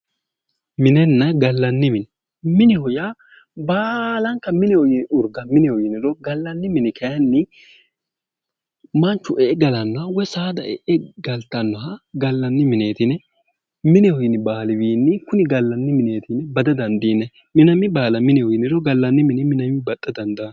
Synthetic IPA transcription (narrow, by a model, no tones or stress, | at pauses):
mɪnɛnːɐɡɐlːɐnːɪmɪnɛ | mɪnɪhɔja | baːlɐŋkːɐmɪnɛɔjɪnʊɾɡɐmɪnɛɔjɪnɪɾɔɡɐlːɐnːɪmɪnɪkɐjɐnːɪ | mɐnt͡ʃːʊʔɛʔɛɡɐlɐnːɔhɐwɔsaːd̪ɐʔɛ̰ʔɛɡɐlt̪ːɐnːɔɦɐɡɐlːɐnːɪmɪne̞ːt̪ɪnɛ | mɪnɛhɔjɪnɪbaːlɪbiːnːɪkʊnɪɡɐlːɐnːɪmɪne̞ːt̪ɪnbɐd̪ɐd̪ɐnd̪iːnɛ | mɪnɐmɪbaːlɐmɪnɛɔjɪnɪɾɔɡɐlːɐnːɪmɪnɪmɪnɐmɪbɐt̪ʼːɐd̪ɐnd̪ɐn